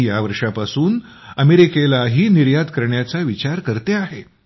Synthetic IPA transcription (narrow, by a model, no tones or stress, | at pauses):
jaʋəɾʂapasuːn | əmeɾikelaɦiːniɾjad̪kəɾɳjat͡saʋit͡ɕaɾkəɾt̪eaɦe